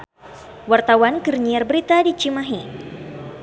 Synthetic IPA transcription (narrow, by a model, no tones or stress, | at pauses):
wart̪awankɨrɲiarbəɾit̪adit͡ʃimaɦi